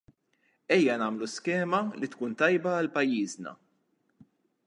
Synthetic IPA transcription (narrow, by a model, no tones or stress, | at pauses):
ɛjːɐnɐːmluskɛːmɐlit̪kuːnt̪ɐjbɐːlpɐjːiːznɐ̰